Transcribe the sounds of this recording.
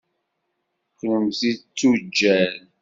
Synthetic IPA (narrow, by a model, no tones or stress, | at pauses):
knəmθit͡sːud͡ʒːæl